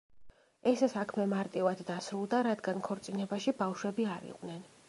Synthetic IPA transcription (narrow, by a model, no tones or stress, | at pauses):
ɛssakʰmɛmaɾt̪ʼivad̪dːasɾulˠd̪aɾad̪ɡankʰɔɾt̪sʼinɛbaʃibafʃwɛbiaɾḭqʼnɛn